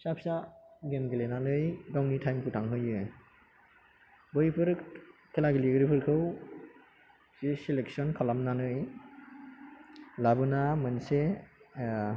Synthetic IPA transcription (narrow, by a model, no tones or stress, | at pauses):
sapʰsaɡemɡelenanɯjɡawnitʰajmkʰutʰaŋɦɯjɯ | bɯjpʰɯɾkʰelaɡiliɡɾipʰɯɾkʰɯw | zisilek̚sɔnkʰɔlamnanɯj | labɯnamɯnse